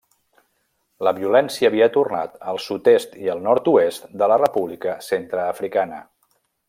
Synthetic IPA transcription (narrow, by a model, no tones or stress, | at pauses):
ləβiulɛnsiəːβiət̪urna̰t̪əlˠsut̪est̪iəlˠnɔɾt̪uest̪d̪ələrəpuβlikəsent̪ɾəːfɾikanə̰